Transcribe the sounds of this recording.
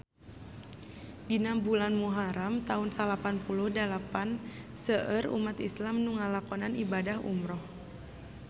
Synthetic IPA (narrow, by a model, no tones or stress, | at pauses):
dinambulanmuɦaɾamt̪aunsalapanpuluhdalapan | səʔəɾṵmat̪islamnuŋalakɔnanibadahṵmɾɔh